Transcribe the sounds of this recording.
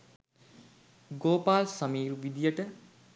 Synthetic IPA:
ɡoːpaːlsɐmiːɾuʋid̪ijəʈə

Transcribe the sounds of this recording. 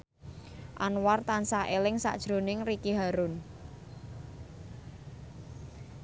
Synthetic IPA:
ʔanwart̪ansaʔelɪŋsa̰ʔd̥ʒ̥ɾo̤nɪŋrikiɦaɾʊn

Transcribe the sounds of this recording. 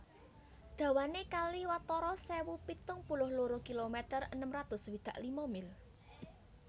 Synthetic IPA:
d̪̥ä̤wanekaliwat̪ɔɾɔsɛwupit̪ʊŋpulʊhluɾukilomɛt̪ərənəmrat̪ʊswid̪̥ä̤ʔlimɔmɪl

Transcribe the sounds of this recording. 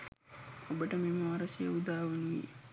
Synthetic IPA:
obəʈəmimaɾɐsijɐ̰ud̪aːʋɐnuɡḭ

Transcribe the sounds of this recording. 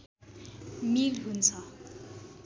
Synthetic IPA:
milɦunt͡sʰʌ

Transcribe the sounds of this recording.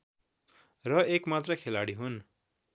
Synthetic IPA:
rʌekmat̪rʌkʰelaɽiɦun

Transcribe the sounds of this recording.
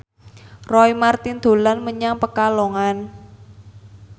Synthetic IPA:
rɔimart̪ind̪̥o̤lanməɲaŋpəkaloŋan

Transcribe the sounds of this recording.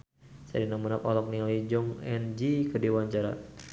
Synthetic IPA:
sa̰ɾinamənapɔlɔk̚niɔid͡ʒɔŋɛnd͡ʒikədewaɲd͡ʒaɾa̰

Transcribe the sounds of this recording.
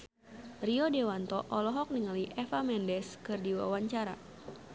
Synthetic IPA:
riodewant̪ɔʔɔlɔɦɔk̚niŋaliʔɛfamɛndɛskɨrdiwa̰waɲt͡ʃaɾa̰

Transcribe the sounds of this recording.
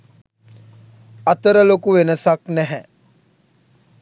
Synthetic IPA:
ɐt̪əɾəlokuʋenəsaknɛɦɛ

